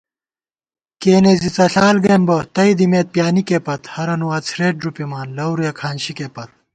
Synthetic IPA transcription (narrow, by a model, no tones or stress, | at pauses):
keːneːzit͡sɐɬaːlɡɾeːmbɐt̪ɐid̪imeːt̪̚pjaːnikeːpɐt̪hɐɾɐnuwaːt͡sʰɾeːʈ̚ɖɾupimaːnlɐwɾujɐkʰaːnɕikeːpɐt̪̚